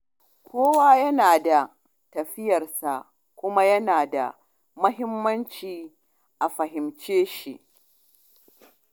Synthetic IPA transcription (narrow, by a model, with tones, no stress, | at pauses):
kʷʰoː˦waː˦jɐ˦naː˨da˨ | tɐ˨ɸɪ˦jɐ˨rsa˨ʔ | kʷʊ˦ma˦jɐ˦naː˨da̰˨ | mʊ˦ɦɪ˦mːɐ˦nt͡ʃiː˨ | ʔa˨ɸɐ˨ɦɪ˨mt͡ʃeː˦ʃi˨ʔ